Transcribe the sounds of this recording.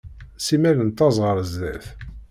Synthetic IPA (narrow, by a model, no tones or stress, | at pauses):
simæɾənt̪ːɑzˤʁəɾəzðæθ